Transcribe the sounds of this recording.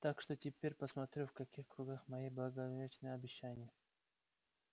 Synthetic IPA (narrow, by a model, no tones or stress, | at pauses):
t̪akʂt̪otʲɪpʲeɾʲpəsmɐt̪ɾʲufkɐkʲixkɾʊɡaxmɐjiblˠɐɡɐvʲet͡ɕnɨjəɐbʲɪɕːanʲɪjə